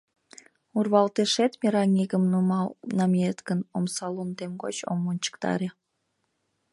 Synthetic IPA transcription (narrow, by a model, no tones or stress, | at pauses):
urβɑlt̪eʃet̪mʲiɾɑŋʲiɡəmnumɑlnɑmʲiet̪ɡənomsɑlˠunt̪emɡo̰t͡ɕo̰mːont͡ɕə̥kt̪ɑ̰ɾe